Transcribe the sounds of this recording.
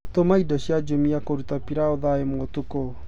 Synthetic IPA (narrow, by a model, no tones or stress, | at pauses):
tomaidɔɕjad͡ʒomiakoɾutapiɾaoðaemotuko